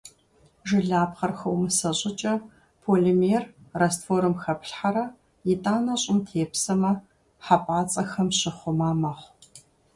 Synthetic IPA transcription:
ʒɨɮaːpχɐrxɐwmɨsɐɕʼɪt͡ʃʼɐ | pʰoːlimeːrrɐstfoːɾɨmxɐpʰɬħaɾɐ | jɪtʼaːnɐɕʼɪmtʰeːpsɐmɐ | ħapʼaːt͡sʼɐxɐmɕɪχʷʊmaːmɐχʷ

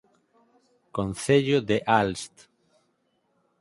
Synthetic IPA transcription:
konθeʎoðeʔalst̪

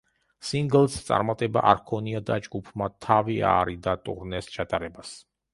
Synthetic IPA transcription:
siŋɡlˠst̪sʼa̰ɾmat̪ʼɛbaʔaɾkʰɔniad̪ad͡ʒɡupʰmat̪ʰavia̰ɾid̪at̪ʼṵɾnɛst͡ʃʰat̪ʼaɾɛbas

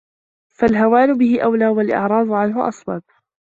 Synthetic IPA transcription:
falɦawaːlʊbɪhɪʔawlaːwalʔɪ̰ʕɾˤɑːðˤʊʕanɦʊʔɑ̰sˤbɑb̚

